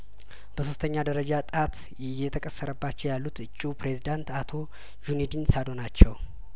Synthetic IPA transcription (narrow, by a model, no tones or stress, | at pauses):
b̥əso̞st̪ʰəɲːad̪əɾəd͡ʒat̪ʼat̪ | jɛt̪ʰəkʼəsːəɾəbːat͡ʃːɛwjalːut̪ɨt͡ʃʼːupɾe̞zid̪ant̪at̪ʰo̞ | junid̪insad̪o̞nat͡ʃːɛw